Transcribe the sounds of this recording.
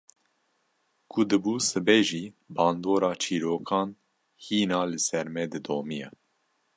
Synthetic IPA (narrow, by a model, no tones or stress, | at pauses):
kʰud̪ɨbuːsɨbɛʒiːbɑːnd̪oːɾɑːt͡ʃʰiːɾoːkʰɑːn | hiːnɑːlɨsɛɾmɛd̪ɨd̪oːmijɛ̰